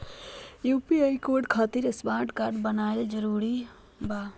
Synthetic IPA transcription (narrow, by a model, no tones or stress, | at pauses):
juːpiajkoːɾɖkʰaːt̪iɾɪsbãːʈkaːɾɖbənaːeld͡ʒəɾuːɾi | ba